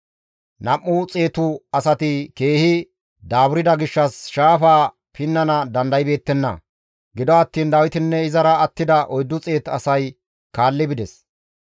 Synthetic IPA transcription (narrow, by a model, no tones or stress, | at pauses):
nɐmːʊt͡sʼeːt̪ʊɐsɐt̪ɪke̞ːhɪ | d̪aːbʊɾɪd̪ɐɡɪʃːɐsʃaːfaː | pʰɪnːɐnɐd̪ɐnd̪ɐjɪbe̞ːt̪ːɛnːɐ̰ | ɡɪd̪ɔɐt̪ːiːnd̪ɐwɪt̪ɪnːɛɪzɐɾɐːt̪ːɪd̪ɐʔɔjd̪ːʊt͡sʼe̞ːt̪ɐsɐj | kaːlːɪbɪd̪ɛs